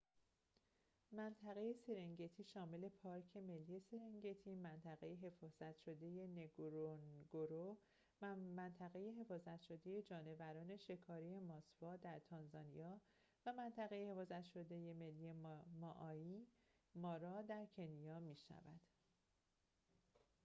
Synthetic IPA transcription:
mænt̪ʰæɣe̞je̞seɾeŋɟe̞t̪ʰiːʃɒːme̞le̞pʰɒːɾcʰe̞me̞lːije̞seɾeŋɟe̞t̪ʰiːmænt̪ʰæɣe̞jeɦe̞fɒːz̥æt̪ʰʃo̞d̪e̞je̞neɡɾoɡ̥oɾo | mænt̪ʰæɣe̞je̞ɦe̞fɒːzæt̪ʃo̞d̪e̞je̞d͡ʒɒːne̞væɾɒːne̞ʃe̞kʰɒːɾije̞mɒsvɒːd̪æɾt̪ʰɒːnzɒːnijɒː | væmænt̪ʰæɣe̞jehe̞fɒːzæt̪ʃo̞d̪e̞je̞me̞lːijemɒʔɒːiː | mɒːɾɒːd̪æɾcʰe̞nijɒːmiːʃæ̰væ̰d̪̥

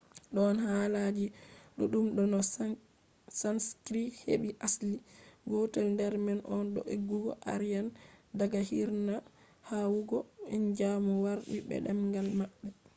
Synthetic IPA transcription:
ɗɔnhalad͡ʒiɗuɗumɗɔnɔ | sanskɾihḛɓiʔasliɡɔtɛlndɛɾmɛnʔɔnɗɔ̰ʔeɡːuɡɔ̰ʔa̰ɾjandaɡahiɾna | hawuɡɔɛnd͡ʒamɔwaɾɗibɛ̰ɗɛmŋɡalmaɓːɛ

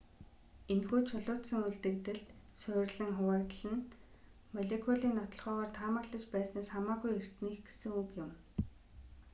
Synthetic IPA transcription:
enxuːt͡ɕʰʊɮʊːt̪sə̆ŋuɮt̪ɘ̆k̚t̪ɘ̆ɮt̪ | sʊːrʲɮɘ̆ŋχʊwæːkt̪əɮɘ̆n | mɔɮekʰɔɮiːnːɔt̪ɞ̆ɮʁχœːʁɔːrt̪ʰaːmə̆kɮə̆t͡ɕpæːsnæːsχamaːɣujer̥t̪niːxɡe̥sɘ̆ŋukjʊm

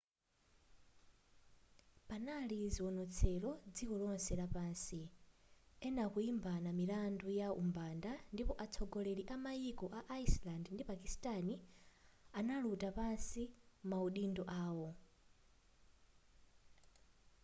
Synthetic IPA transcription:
panaliziwɔnɔt͡sʰɛlɔd͡zikɔlɔnsɛlapaːnsi | ɛnakuimbanamilandujaṵmbandandipɔʔat͡sʰɔɡɔlɛliʔamajikɔʔaʔaislandndipakistani | analutapansimauɗindɔʔaːwɔ

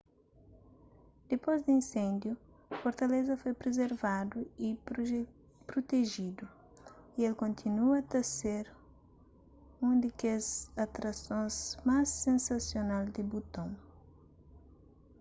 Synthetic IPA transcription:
d̪̥epojzd̪ĩnsẽnd̪ju | foɾt̪ɐlezɐfojpɾezeɾvad̪ui | pɾot̪eʒid̪u | ielkõnt̪ʰinuɐt̪ɐseɾ | ũd̪ɪkezat̪ɾasõzmasːẽnsɐsjonald̪ɪbut̪õw̃

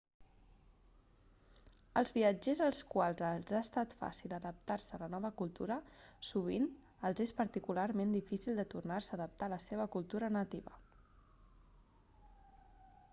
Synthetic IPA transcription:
əlˠzβiəd͡ʒezəlˠskwalˠzəzaəst̪at̪fa̰silˠəðəp̚t̪aɾsələnɔβəkulˠt̪uɾəsuβ̞in | əlˠzespəɾt̪ikularmend̪ifisilˠd̪ət̪urnarsəːðəp̚t̪aləseβ̞əkulˠt̪uɾənət̪iβə̰

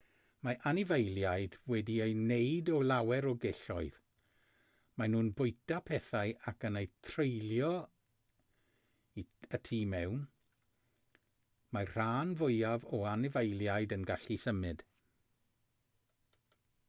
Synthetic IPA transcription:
maʔanɪvejlˠjajd̥wɛdiejnejdɔlˠawɛɾɔɡeɬɔɨð | manuːnbʊjtapʰɛθaɨʔakənejtʰrejljɔ | iətʰiːmɛwn | mar̥aːnvʊjavɔanɪvejlˠjajdənɡaɬisəmɨd̥

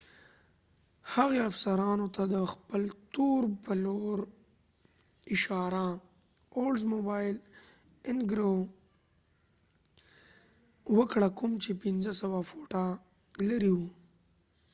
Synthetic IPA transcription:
haɣeafsaɾɑnot̪ad̪əxpəlt̪oɾpəloɾ | ɪʃɑɾa | olzmobɑjl | ɪnɡɾo | wəkɽakumt͡ʃepinzəsawafoʈa | ləɾiwu

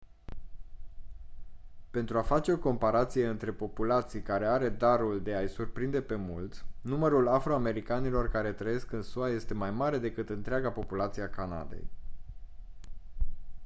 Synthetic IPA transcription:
pe̞nt̪ɾuafat͡ʃe̞o̞ko̞mpaɾat̪sije̞ɨnt̪ɾe̞po̞pulat̪sijkaɾe̞aɾe̞d̪aɾuld̪e̞ajsurpɾind̪e̞pe̞mult̪numəɾulafɾo̞ame̞ɾikanilo̞rkaɾe̞t̪ɾəje̞skɨnsuaje̞st̪e̞majmaɾe̞d̪e̞kɨt̪ɨnt̪ɾeaɡapo̞pulat̪sieakana̰d̪e̞̰j

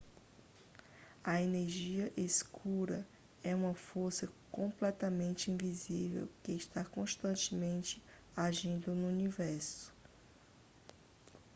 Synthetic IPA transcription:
ɐeneɾʒiɐʔeskʰuɾɐ | ɛũmɐfoɾsɐkõplɛt̪ɐmẽnt͡ʃɪĩvizivḛwkɪɪʃt̪akõʃt̪ɐ̃nt͡ʃɪmẽnt͡ʃɪ | aʒĩnd̪ʊnʊunivɛɾsʊ̥

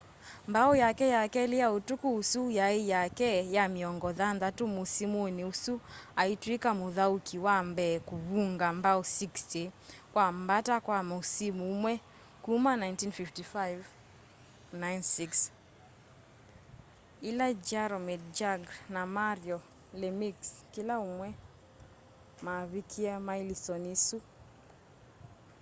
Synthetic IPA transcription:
mbaɔjakɛjakɛlijautukuusujaijakɛjamiɔŋɡɔðanðatumusimuniusuaitwikamuðaukʰiwambɛkuβuŋɡambaɔsikstikwam̩batakwamausimumwɛ | kumanajntinfiftifajv | najnsiks | ilad͡ʒaɾɔmɛdd͡ʒaɡnamaɾiɔ | lɛmikskilaumwɛ | maβikʰiamailisɔnisu

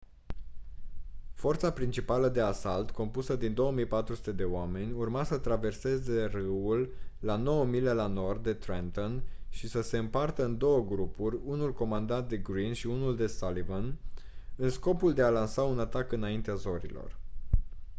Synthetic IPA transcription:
fo̞rt̪sapɾint͡ʃipaləd̪e̞asalt̪ko̞mpusəd̪ind̪o̞wəmijpat̪ɾusu̥t̪e̞d̪e̞oame̞nʲurmasət̪ɾave̞rse̞ze̞rɨwulːano̞wəmile̞lano̞rd̪ːe̞t̪ɾent̪onʃisəse̞ɨmpart̪əɨnd̪o̞wəɡɾupurʲunulko̞mand̪ant̪̚d̪e̞ɡɾinʃiunuld̪e̞salivon | ɨnsko̞puld̪e̞alansaunat̪akɨnaint̪eazo̞ɾḭlo̞̰r

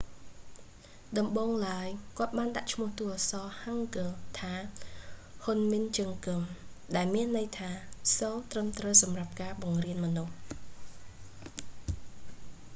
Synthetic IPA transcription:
ɗɑmɓoːŋlaəjkŏət̪̚ɓaːnɗa̰ʔt͡ɕʰmʊ̆əht̪usɑːhaŋkɨlt̪ʰaː | honmint͡ɕɨŋkɨmɗaɛlmiənːɨjt̪ʰaːsoːt̪rəmt̪rəwsɑmrap̚kaːɓɑŋriənmɔ̆nuh

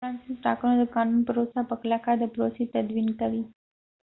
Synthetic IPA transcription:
fɾɑnsɪsʈɑ̰kunod̪əkɑnunpəɾosapəklakad̪əpɾosit̪ad̪winkawi

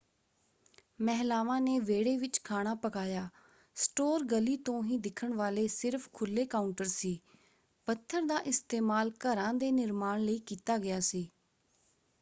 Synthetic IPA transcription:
mɛɦlaːʋãːneːʋeːɽeːʋɪt͡ʃkʰaːɽ̃aːpəkaːjaː | sʈoːɾɡəliːt̪õːɦĩːd̪ɪkʰəɳʋaːleːsɪɾpʰkʰʊlːeːkaːʊɳʈəɾsiː | pət̪ʰːəɾd̪aːʔɪst̪eːmaːlkəɾãːd̪eːnɪɾmaːɳləiːkiːt̪aːɡɪjaːsiː

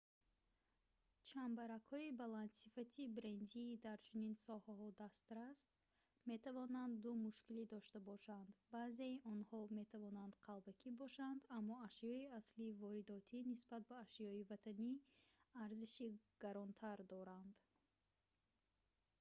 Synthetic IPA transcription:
t͡ʃʰambaɾakhɔibalant̪sifat̪ʰibɾend̪id̪aɾt͡ʃʰuninsɔhaɦɔd̪ast̪ɾast̪̚ | me̞t̪ʰavɔnand̪ːumuʃkilid̪ɔʃt̪abɔʃand̪baːzeiʔɔnhɔme̞t̪ʰavɔnand̪qʰalbakʰibɔʃand̪amːɔaʃjɔiasliːvɔɾid̪ɔt̪ʰinisbat̪̚baːʃjɔivat̪ʰaniaɾziʃiɡ̥aɾɔnt̪ʰaɾd̪ɔɾand̪

